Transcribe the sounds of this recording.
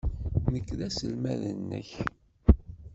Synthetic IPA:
nəkːðæsəlmæðənːə̰ç

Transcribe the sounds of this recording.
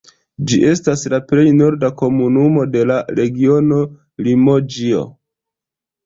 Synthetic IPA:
d͡ʒiʔe̞staslaple̞jno̞ɾdako̞munumo̞de̞laɾe̞ɡio̞no̞ | limo̞d͡ʒio̞̰

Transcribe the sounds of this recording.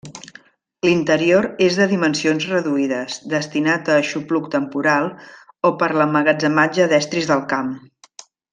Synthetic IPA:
lint̪əɾioɾezðəðimənsionzrəðuiðəzðəst̪inat̪əʃupluk̚t̪əmpuɾalˠ | opəɾləməɣəd͡zəmad͡ʒəðɛst̪ɾizðəlˠkam

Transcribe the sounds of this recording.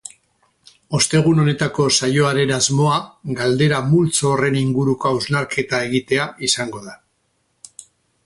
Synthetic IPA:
o̞st̪e̞ɣ̞uno̞ne̞t̪ako̞sajoaɾe̞nazmo̞aɡald̪e̞ɾamult͡soːre̞niŋɡuɾukoawznaɾkʰe̞t̪ae̞ɣit̪e̞aisaŋɡo̞ða

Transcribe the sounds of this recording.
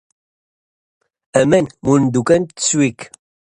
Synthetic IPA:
æmɛnmund̪ukʼɐntt͡swik

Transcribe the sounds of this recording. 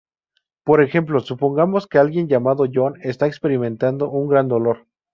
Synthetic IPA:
po̞ɾe̞xe̞mplo̞supo̞ŋɡamo̞ske̞alɣje̞nʝamaðo̞ʝo̞ne̞st̪aekspe̞ɾimẽnt̪and̪o̞ʔuŋɡɾand̪o̞lo̞ɾ

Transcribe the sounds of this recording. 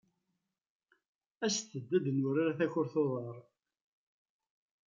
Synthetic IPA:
æsθəd̪ːæd̪ənʊɾaɾaθæçʊɾθoðˤɑɾˤ

